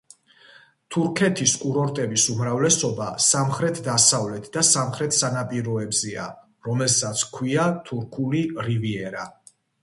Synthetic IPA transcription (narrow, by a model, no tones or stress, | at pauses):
t̪ʰuɾkʰɛt̪ʰiskʼuɾɔɾt̪ʼɛbisumɾavlɛsɔbasamχɾɛt̪ʰd̪asavlɛt̪ʰd̪asamχɾɛt̪ʰsanapʼiɾɔɛbzɛa̰ | ɾɔmɛlsat̪sʰkʰwiat̪ʰuɾkʰuliɾiviɛɾa